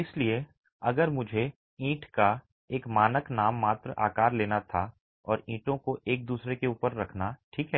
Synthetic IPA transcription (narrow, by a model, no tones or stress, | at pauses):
ɪslie | ɐɡəɾmʊd͡ʒʱe | ĩːʈka | eːkmaːnəknaːmːaːt̪ɾəʔa̰ːkaːɾleːnat̪ʰa | ɔːɾĩːʈõkoʔeːk̚d̪uːsɾekeuːpəɾːɐkʰnaʈʰiːkɦɛː